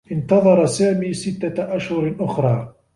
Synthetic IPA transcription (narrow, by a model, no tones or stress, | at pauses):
ʔɪnt̪ɑðˤɑɾˤɑsaːmiːsɪt̪ːaʔaʃhʊɾʔʊxɾˤɑː